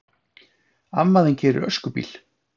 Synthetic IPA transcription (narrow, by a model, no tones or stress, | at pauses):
amːaðɪncʰɛːɾʏ̰ɾœ̰skʏpḭːl